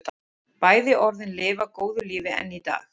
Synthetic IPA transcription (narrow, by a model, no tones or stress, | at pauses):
paːjðɪʔɔɾðɪnlɪːvakoːwðʏliːvɪɛ̰nːit̪a̰ːx